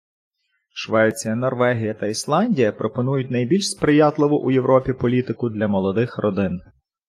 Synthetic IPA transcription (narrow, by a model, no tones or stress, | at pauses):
ʃʋɛt͡sʲijɐnɔrʋɛɦʲijɐt̪ɐislˠɑnʲdʲijɐpɾɔpɔnujʊtʲnɐjbʲilʲʃspɾɪjɑt̪lˠɪʋʊʔujewɾʔɔpʲipɔlʲit̪ɪkʊd̪lʲɐmɔlˠɔd̪ɪxrʔɔd̪ɪn